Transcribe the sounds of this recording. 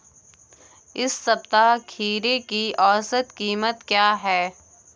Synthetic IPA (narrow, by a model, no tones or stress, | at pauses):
ɪsːɐb̚t̪akʰiːɾekiʔɔːsət̪kiːmət̪kjaːɦɛː